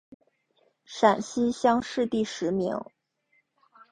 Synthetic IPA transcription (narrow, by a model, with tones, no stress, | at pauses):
ʂa˨˩nɕi˥ɕjɑ˥ŋʂɻ̩˥˧t̪i˥˩ʂɻ̩˧˥mḭ˧˥ŋ